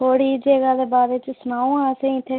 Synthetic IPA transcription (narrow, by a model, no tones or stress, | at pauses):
oːɽiːd͡ʒeːɡaːd̪eːbaːɾeːt͡ʃsʊnaːõːãsẽĩt̪ʰeː